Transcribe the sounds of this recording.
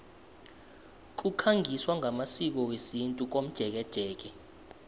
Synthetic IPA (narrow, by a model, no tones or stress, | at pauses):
k̬ʼukʰaŋʱiswaŋʱamasik̬ɔwesintʼuk̬om̩d̥ʒ̥ʱɛk̬ɛd̥ʒ̥ʱɛːk̬ɛ